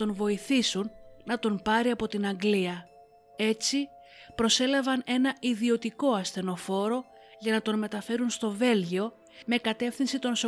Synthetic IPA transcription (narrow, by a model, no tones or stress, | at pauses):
o̞nvo̞iθisunːɐt̪o̞npɐɾiɐpo̞t̪inɐŋɡliɐ | e̞t͡si | pɾo̞se̞lɐvɐne̞nɐiðio̞t̪iko̞ɐsθe̞no̞fo̞ɾo̞ | ʝɐnɐt̪o̞nme̞t̪ɐfe̞ɾunst̪o̞ve̞lʝio̞ | me̞kɐt̪e̞fθinsit̪o̞ns